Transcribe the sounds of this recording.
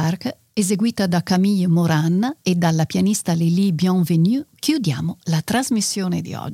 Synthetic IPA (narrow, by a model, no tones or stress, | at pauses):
ark | ezeɡwiːt̪ad̪akːamiʎmoɾanːaed̪ːalːapjanist̪alelibjɔ̃ŋvenukjud̪ja̰ːmolat̪ɾazmisːjoːned̪ḭɔ̰d͡ʒ